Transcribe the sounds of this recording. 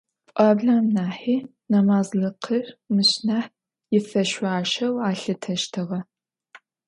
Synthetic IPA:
pʷʼɑːbɮaːmnaːħiː | nɐmaːzɮɨqʰərmɨɕnaħ | jɪfɐʃʷaːʃɐwaːɬɨtʰɐʃtʰɨʁɐ

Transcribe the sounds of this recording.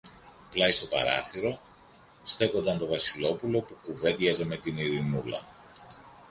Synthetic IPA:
plɐist̪o̞pɐ̰ɾɐ̰θiɾo̞ | st̪e̞ko̞nd̪ɐnt̪o̞vɐsilo̞pulo̞pukuve̞nd̪ʝɐzeme̞t̪iniɾinulɐ̰

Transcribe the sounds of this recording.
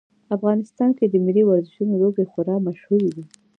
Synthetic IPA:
afɣɑnɪst̪ɑnked̪əmɪliwaɾzɪʃunolobexʊɾɑmaʃhuɾed̪i

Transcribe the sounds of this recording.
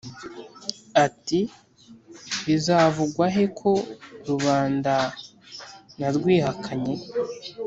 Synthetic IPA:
ati | βizavuɡwaɦe̞kʰo̞ɾuβaːnda | naɾɡwiːɦakʰaɲe̞

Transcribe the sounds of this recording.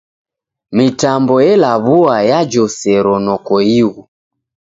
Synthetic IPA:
mitambɔjɛlaβuajad͡ʒɔsɛɾɔnɔkɔiɣu

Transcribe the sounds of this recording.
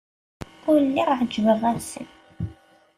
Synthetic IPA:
ʊɾəlːiɾˤʕəd͡ʒvəʁæsə̰n

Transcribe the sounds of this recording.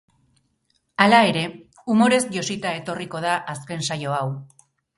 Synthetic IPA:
alae̞ɾe̞ | umo̞ɾe̞zʝo̞sit̪ae̞t̪o̞riko̞ðaʔaske̞nsajo̞aw

